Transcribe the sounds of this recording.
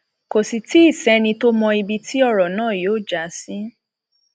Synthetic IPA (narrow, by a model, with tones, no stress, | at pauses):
ko˨si˨ti˦i˦˨sɛ˨˦nĩ˧to˦mɔ̃˧i˧bi˧tʰi˦ɔ˦˨ɾɔ˨nãː˦˨joː˨˦˨d͡ʒa˨˦si˦